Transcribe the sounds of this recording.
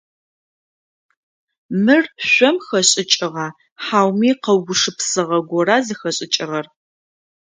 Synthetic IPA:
mɨrɕʷɔmxɐɕʼɪt͡ʃʼɪʁaː | ħaːwmiːqɐwɡʷʊʂɨpsɨʁɐɡʷɔɾaːzɨxɐɕʼɪt͡ʃʼɪʁɐr

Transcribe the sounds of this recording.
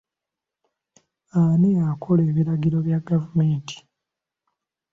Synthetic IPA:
aneakʰo̞leːβiɾaɡiɾo̞βjaɡavumenti̥

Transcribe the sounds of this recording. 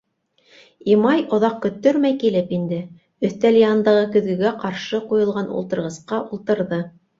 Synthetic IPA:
imɑjŏðɑq̚kɵ̆t̪ːɵɾmæjkilɘpind̪ɘ | ɵ̆θt̪æljɑnd̪ɑʁɤkɵ̆ðɡɵ̆ɡæqɑɾʃɤqujŏlˠʁɑnṵlˠt̪ɤ̆ɾʁɤ̆sqɑʔulˠt̪ɤ̆ɾðɤ

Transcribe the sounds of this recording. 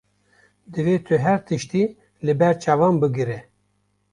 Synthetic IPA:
d̪ɨveːt̪ʰɨɦɛɾt̪ʰɨʃt̪iː | lɨbɛɾt͡ʃʰɑːvɑːmbɨɡɨɾɛ

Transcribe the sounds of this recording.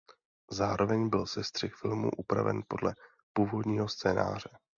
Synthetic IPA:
zaːɾo̞vɛɲbɪlsɛst̪r̥ɪxfɪlmṵːʔupɾa̰vɛ̰npo̞dlʔɛ | puːvo̞dɲiːɦo̞st͡sɛːna̰ːr̝ɛ

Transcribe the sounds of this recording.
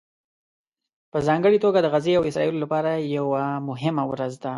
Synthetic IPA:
pəzɑŋɡəɽit̪oɡad̪əɣazeawɪsɾɑ̰jilolapɑɾajawamʊɦɪmawɾazd̪a

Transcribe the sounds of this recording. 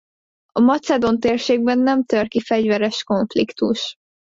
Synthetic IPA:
ɒmɒt̪sɛd̪o̞nt̪eːrʃeːɡ̚bɛnːɛmt̪ørkifɛɟvɛɾɛʃko̞ɱflikt̪uʃ

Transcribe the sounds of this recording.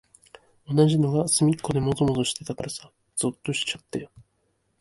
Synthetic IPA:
o̞naʑino̞ɡasɨmʲikːo̞d̪e̞mo̞t̪omot̪oɕi̥t̪e̞t̪akaɾasḁ | z̥ɨt̪ːo̞ɕi̥t͡ɕat̪ːe̞

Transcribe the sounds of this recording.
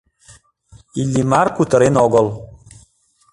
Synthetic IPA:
ilʲːimarkut̪əɾenɔɡɔlˠ

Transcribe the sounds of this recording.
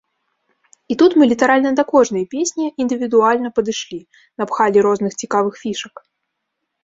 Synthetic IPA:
it̪ut̪mɨlʲit̪aɾalʲnɐd̪ɐkɔʐnɐjɐpʲesʲnʲiind̪ɨvʲid̪ualʲnɐpɐd̪ɨʂlʲi | nɐpxalʲiɾɔznɨxt͡sʲikavɨxfʲiʂɐk

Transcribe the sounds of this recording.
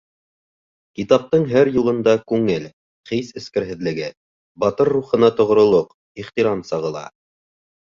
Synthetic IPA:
kit̪ɑp̚t̪ɤɴɦæɾjulˠɤ̆nd̪ɑkʉŋɘl | χisɘ̆skɘ̆ɾɦɘ̆ðlɘ̆ɡɘ | bɑt̪ɤɾːuχɤ̆nɑt̪ŏʁɾŏlˠoq | iχt̪iɾɑnsɑʁɤ̆lˠɑ̰

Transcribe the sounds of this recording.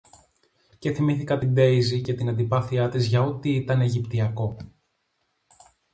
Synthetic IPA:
ce̞θimiθikɐt̪ind̪e̞izice̞t̪inɐnd̪ipɐθiɐt̪izʝɐo̞t̪iit̪ɐne̞ʝipt̪iɐko̞

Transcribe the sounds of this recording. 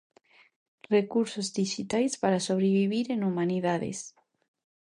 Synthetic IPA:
rekuɾsozd̪iʃit̪ajspaɾasoβ̞ɾeβiβ̞iɾenumaniðaðḛs

